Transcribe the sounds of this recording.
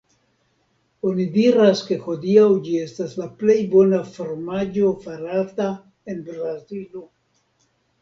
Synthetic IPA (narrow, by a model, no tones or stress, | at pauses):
o̞nidiɾaske̞ho̞diawd͡ʒie̞staslaple̞jbo̞nafoɾmad͡ʒo̞faɾata | e̞nbɾazilo